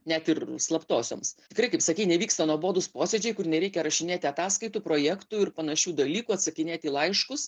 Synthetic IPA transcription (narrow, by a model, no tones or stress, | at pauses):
nʲɛt̪ɪrslˠɐpt̪oːsʲo̰ːmst̪ʲɪkɾɐɪkɐɪpsɐkʲiɪnʲɛʋʲiːkst̪ɐnuɔboːd̪ʊspoːsʲɛd͡ʒʲɛɪkʊrnʲɛɾʲɛɪkʲɛɾɐʃʲɪnʲeːt̪ʲɪɐt̪ɑːskɐɪt̪uːpɾoːjɛːkt̪uɪrpɐnɐʃʲuːd̪ɐlʲiːkuːɐt̪sɐkʲɪnʲeːt̪ʲiːlˠɐɪʃkʊs